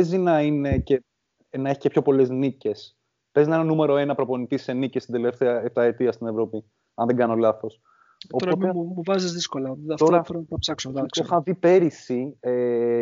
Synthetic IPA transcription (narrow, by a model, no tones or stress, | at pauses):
ezinɐine̞ce̞ | nɐe̞çi̥cepço̞po̞le̞znice̞s | pe̞zinɐenɐnume̞ɾo̞e̞nɐpɾo̞po̞nit̪ise̞nicest̪ind̪eleft̪eɐeft̪ɐet̪iɐst̪ine̞vɾo̞pi | ɐnðeɡɐno̞lɐθo̞s | opoemuvɐzizðiskolɐɐft̪oɾɐθɾont̪ɐpsɐksoɐɐoxɐvipe̞ɾisie